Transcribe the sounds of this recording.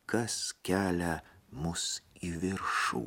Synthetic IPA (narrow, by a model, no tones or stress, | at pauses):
kɐskʲæːlʲɛmʊsiʋʲɪɾʃṵː